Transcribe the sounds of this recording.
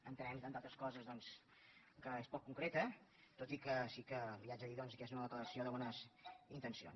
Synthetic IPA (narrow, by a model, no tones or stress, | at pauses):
ənt̪ənɛmt̪ant̪at̪ɾəskɔzəzðɔns | kəespɔkːuŋkɾet̪ət̪ot̪ikəsikəliazəðiðɔnsəkeszunəðəkləɾəsioðəβɔnəzint̪ənsio̰n